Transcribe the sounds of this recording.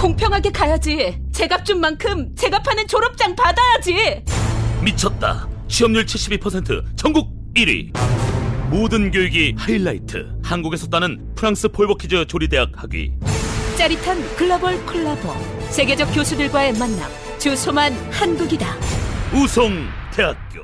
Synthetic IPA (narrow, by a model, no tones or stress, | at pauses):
koŋpʰjʌŋɦaɡe̞kajad͡ʑit͡ɕe̞ɡap̚t͡ɕ͈umːankʰɯmt͡ɕe̞ɡapʰanɯnt͡ɕoɾʌp̚t͡ɕ͈aŋpadajad͡ʑi | mit͡ɕʰʌt̚t͈a̰t͡ɕʰiʌmɲuɭt͡ɕʰiɭɕ͈ibipʰʌsʰe̞ntʰɯ̰t͡ɕʌŋɡuɡ̚ | iɾḭ | modɯnɡjoiɡihailːaitʰɯ̰hanɡuɡe̞sʰʌt͈anɯn | pʰɯɾaŋs͈ʰɯpʰoɭbʌkʰid͡ʑʌt͡ɕoɾide̞ak̚haɡɥḭt͡ɕ͈aɾitʰankɯɭːʌbʌɭkʰɯɭːabʌ̰sʰe̞ɡe̞d͡ʑʌk͈̚josʰudɯɭɡwae̞manːa̰m | t͡ɕɯsʰomanhanɡuɡidausʰoŋ | tʰe̞ɦak̚k͈jo̰